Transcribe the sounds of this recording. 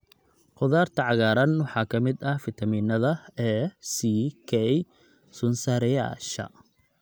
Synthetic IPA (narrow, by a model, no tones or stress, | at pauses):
qʊðaːrt̪ʰɐʕɑɣaːɾɐnwɑħɑːkʰɐmɪd̪ɐhfɪt̪ʰɐmiːnɐðɐɛːsikʰɛj | sʊnsaːɾɪja̰ːʃɐ̰